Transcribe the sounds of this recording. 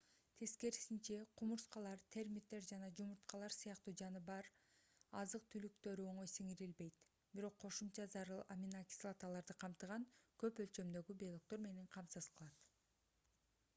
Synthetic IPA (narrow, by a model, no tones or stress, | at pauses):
t̪ʰe̞ske̞ɾsint͡ʃe̞qʰumuɾsqɑlˠɑɾt̪ʰe̞ɾmʲit̪ːe̞ɾd͡ʒɑnɑd͡ʒumuɾt̪qɑlˠɑɾsɯjɑqt̪uːd͡ʒɑnɯbɑɾɑzɯq̚t̪ʰylyk̚t̪ø̞ɾyo̞ɴo̞jsiŋiɾilbe̞jt̪ | biɾo̞qʰːo̞ʃumt͡ʃɑzɑɾɯlˠamʲinakʲi̥slˠat̪alˠɑɾd̪ɯqʰɑmt̪ɯʁɑŋkø̞pø̞lt͡ʃø̞md̪ø̞ɡybelˠok̚t̪o̞ɾme̞ne̞ɴqʰɑmsɯz̥qʰɯlˠɑt̪